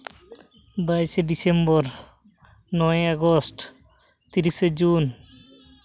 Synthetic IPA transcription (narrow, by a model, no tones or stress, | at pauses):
bajsedisembɔɾ | nɔjaɡɔsʈ | t̪iɾised͡ʒun